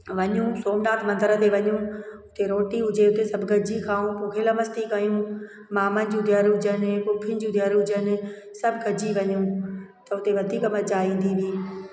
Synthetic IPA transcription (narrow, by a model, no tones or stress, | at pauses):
ʋɐɲũsoːmnaːt̪ʰmɐ̃nd̪əɾə̆t̪ʰeʋɐɲũʊt̪eɾoːʈiɦʊd͡ʑeʊt̪esɐbʱɡʱɐɾd͡ʑikʰaːũpuːkʰeləmɐst̪ikɐjũ | maːmənɪ̆d͡ʑũːd̪ʱjaːɾɦʊd͡ʑənɪpʊpʰːɪnɪd͡ʑũd̪ʱjəɾɦʊd͡ʑənɪ̆ | sɐbʱɡʱɐd͡ʑiʋɐɲũ | t̪ɐʊt̪eʋɐd̪ʱiːkəməd͡ʑaːĩːnd̪iʋiː